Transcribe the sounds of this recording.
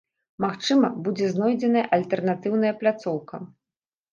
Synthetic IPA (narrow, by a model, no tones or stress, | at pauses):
maxt͡ʂɨmɐ̰bud͡zʲɛznɔjd͡zʲɛnɐjɐʔɐlʲt̪ɛrnat̪ɨwnɐjɐplʲat̪sɔwkɐ